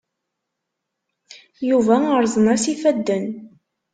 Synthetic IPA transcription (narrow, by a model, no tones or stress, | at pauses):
juvæəɾzˤənæsifæd̪ːən